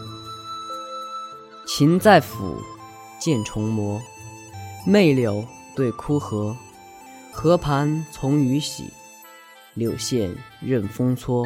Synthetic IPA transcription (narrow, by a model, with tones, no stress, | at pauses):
t͡ɕʰi˧˥nt͡sa˥˩ɪfṵ˨˩ | t͡ɕjɛ˥˩nʈ͡ʂʰʊ˧˥ŋmwɔ˧˥ | me˥˩ɪljo˧˥ʊ | t̪we˥˩ɪkʰu˥xɤ˧˥ | xɤ˧˥pʰa˧˥nt͡sʰʊ˧˥ŋy˧˥ɕḭ˨˩ | ljo˨˩ʊɕjɛ˥˧n | ɻə˥˩nfɤ˥ŋt͡sʰwɔ˥